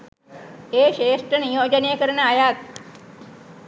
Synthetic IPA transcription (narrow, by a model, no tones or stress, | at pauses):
eːʃeːsʈɾənijoːd͡ʒənejəkəɾənəajat̪̚